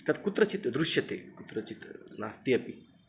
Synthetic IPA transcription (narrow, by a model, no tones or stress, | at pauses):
kɐt̪kut̪ɾɐt͡ʃit̪d̪ɾuʃjɐt̪ḛːkut̪ɾɐt͡ʃit̪naːst̪ijɐpi